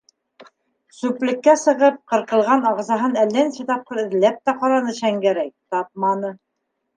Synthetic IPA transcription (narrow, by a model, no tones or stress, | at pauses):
sʉplɘ̆kːæsɤ̆ʁɤp̚qɤ̆ɾqɤ̆lˠʁɑnɑʁzɑɦɤnælːænsɘt̪ɑp̚qɤɾɘ̆ðlæp̚t̪æqɑɾɑnɤɕæŋɡæɾæj̚t̪ɑp̚mɑnɤ